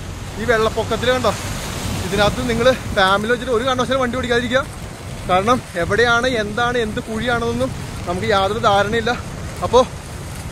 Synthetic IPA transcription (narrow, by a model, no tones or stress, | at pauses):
iːʋe̞ɭːɐpːokːɐt̪̬ːilkːɐɳɖoːiðinɐðɨniŋːɐɭɨfaːmiliʋɐt͡ɕːitːo̞ɾukaːɳːɐɐɕɐːlɐmʋɐɳɖipoɽikʲːaːðiɾikʲːuɐ | kaːɾɐɳɐme̞ʋiɽejaːɳɨe̞nd̪aːɳɨe̞nd̪ɨkuːɻijaːɳnonːum | nɐmukːɨjaːt̪rðed̪aːɾɐɳɐmilːɐ | ɐpːo̞ː